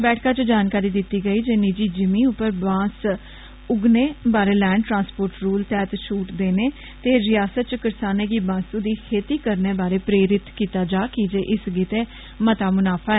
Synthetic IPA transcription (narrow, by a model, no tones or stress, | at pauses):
bɛːʈʰkaːt͡ʃəd͡ʒaːnkaːɾiːd̪ɪt̪ːiːɡəiːd͡ʒeːnid͡ʒiːd͡ʒɪmĩːʊpːəɾbãːs | ʊɡneːbaːɾeːlɛːɳɖʈɾãːspoːɾʈɾuːlt̪ɛːt̪ʃuːʈd̪eːneː | t̪eːɾɪjaːsət̪̚t͡ʃkəɾsaːneːɡiːbãːsuːd̪iːkʰeːt̪iːkəɾneːbaːɾeːpɾeːɾɪt̪kiːt̪aːd͡ʒaːkid͡ʒeːʔɪsɡit̪eː | mət̪aːmʊnaːpʰaːɛː